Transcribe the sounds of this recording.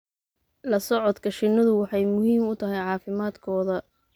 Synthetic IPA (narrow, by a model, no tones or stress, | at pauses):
lɐsɔʕɔd̪kʰɐʃɪnɐðʊwɑħɑjmʊɦiːmʊt̪ʰɐɦɛjʕɑːfɪmaːd̪kʰɔːðɐ